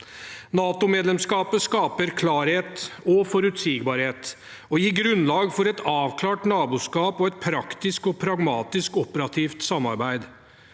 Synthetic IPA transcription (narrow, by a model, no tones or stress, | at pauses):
nɑːt̪ʊmeːd̪lɛmskɑːpəskɑːpəɾkʰlɑːɾheːt̪ɔfɔɾʉt̪siːɡbɑːɾheːt̪ | ɔjiːɡɾʉnlɑːɡfɔɾɛt̪ɑːʋkʰlɑːʈnɑːbuːskɑːpɔɛt̪̚pʰɾɑkt̪ɪskɔpʰɾɑɡmɑːt̪ɪskɔpəɾɑt̪ʰiːft̪sɑmːɑ̰ɾbæɪd̪